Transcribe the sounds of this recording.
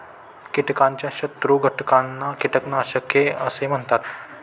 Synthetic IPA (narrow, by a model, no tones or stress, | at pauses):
kiʈkãɲt͡ɕjaɕət̪ɾuɡʱəʈkanːakiʈəknaɕəkːeəsem̤əɳt̪at̪